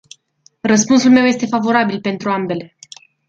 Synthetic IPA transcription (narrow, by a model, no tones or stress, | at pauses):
rəspunsulme̞wje̞st̪e̞favo̞ɾabilpe̞nt̪ɾuambe̞le̞